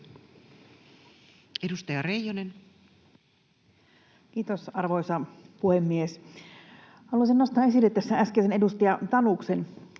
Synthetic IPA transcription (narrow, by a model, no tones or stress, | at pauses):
edust̪ɑjɑrejonen | kiːt̪osɑrʋoisɑpuhemːies | hɑluɑsinnost̪ɑːesilːet̪t̪æsːææskeːsenedust̪ijɑt̪ɑnuksen